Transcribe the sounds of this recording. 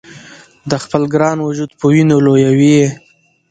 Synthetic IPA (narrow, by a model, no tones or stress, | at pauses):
d̪əxpəlɡɾɑnwʊd͡ʒud̪̚pəwinolojawie